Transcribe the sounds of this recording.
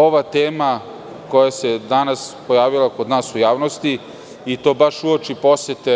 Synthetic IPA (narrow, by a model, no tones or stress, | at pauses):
o̞ʋat̪eːma | ko̞jase̞d̪anaspo̞jaːʋilako̞d̪naːsujaːʋnost̪i | it̪o̞ːbaʂuot͡ʃipo̞set̪e